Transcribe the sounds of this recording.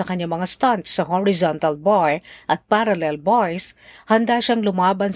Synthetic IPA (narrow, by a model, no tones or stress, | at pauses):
ɐkɐɲːamɐŋast̪ant̪sɐhɔɹɪzɔnt̪ɐlbojʔɐt̪̚paɾɐlɛlbojshɐnd̪aʃaŋlʊmaːbɐn